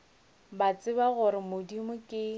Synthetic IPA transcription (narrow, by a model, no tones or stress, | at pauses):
bat͡sʼɪbaɣʊɾɪmʊdimʊkʼɪ